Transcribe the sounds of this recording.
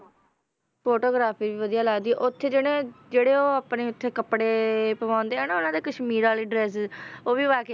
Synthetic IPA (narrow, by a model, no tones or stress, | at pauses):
poːʈoːɡɾaːpʰiːʋiːʋəd̪ijaːlaːɡd̪iːɛːʔʊt̪ʰːeːd͡ʒeːɽẽːd͡ʒeːɽeːoːəpneːʊt̪ʰːeːkəpɽeːpəʋãːnd̪eːɦɛːnaːʊnãːd̪eːkəʃmiːɾaːliːɖɾɛːszoːʋiːʋaːke